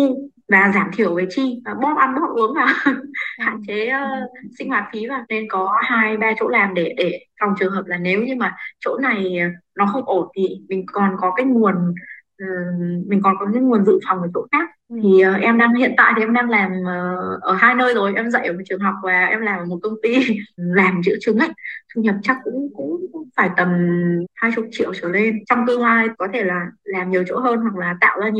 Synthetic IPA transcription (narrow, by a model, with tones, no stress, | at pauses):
vaː˨˩zaː˧˩mt̪ʰi˧˩əwve˨˦jt͡ɕi˧a˨˩ɓɔ˦˥p̚ʔa˧nɓo˧˦˥ʔɨ˨˦əŋvaː˨˩wha̰ː˧˨˩t͡ɕeː˨˦˧sï˧ŋ̟hwaː˨˩t̚fi˨˦vaː˨˩ne˧nkɔ˨˦haː˧jɓaː˧t͡ɕo̰˧˥laː˨˩mɗe˧˩ɗe˧˩fa˨˩wŋ͡mt͡ɕɨ˨˩əŋɦəː˨˩p̚laː˨˩ne˨˦wɲɨ˧ŋmaː˨˩t͡ɕo̰˧˥na˨˩jnɔ˨˦xə˧wŋ͡mʔo˧˩nt̪ʰi˨˩mï˨˩ŋ̟kɔ˨˩nkɔ˨˦kaː˨˦jŋu˨˩ənʔəː˨˩mï˨˩ŋ̟kɔ˨˩nkɔ˨˦kaː˨˦jŋu˨˩ənzɨ̰˧˨fa˨˩wŋ͡mkə˧˩t͡ɕo̰˧˥xaː˦˥k̚t̪ʰi˨˩ʔəː˨˩ʔɛ˧mɗaː˧ŋhḭ˧˨ənt̪a̰ː˧˨jt̪i˨˩ʔɛ˧mɗaː˧ŋlaː˨˩mʔəː˨˩ʔəː˧˩haː˧jnəː˧jzo˨˩jʔɛ˧mzə̰˧˨jʔəː˧˩o˨˩t͡ɕɨ˨˩əŋɦa˨˩wk͡p̚maː˨˩ʔɛ˧mlaː˨˩mʔəː˧˨˩mo˨˩t̚kə˧wŋ͡mt̪i˧laː˨˩mzɨ̰˧˥ət͡ɕɨ˨˦ŋʔə˨˦j̚t̪ʰu˧ɲə˨˩p̚t͡ɕa˦˥k̚kʊ̰˧˥ŋ͡mkʊ̰˧˥ŋ͡mŋ͡mfaː˧˩jt̪ə˨˩mhaː˧jt͡ɕʊ˨˩˥t͡ɕḭ˧˨əwt͡ɕəː˧˩le˧nt͡ɕɔ˧wŋ͡mt̪ɨ˧əŋlaː˧jkɔ˨˦t̪ʰe˧˩laː˨˩laː˨˩mɲi˨˩əwt͡ɕo̰˧˥ɦəː˧nhwa˨˩k̚laː˨˩t̪a̰ː˧˨wzaː˧ɲ˧˨